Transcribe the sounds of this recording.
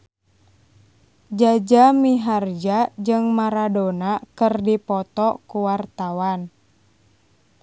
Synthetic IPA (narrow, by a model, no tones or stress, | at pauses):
d͡ʒad͡ʒamiɦard͡ʒad͡ʒɨŋmaɾadonakɨrdipɔt̪ɔkuwart̪awan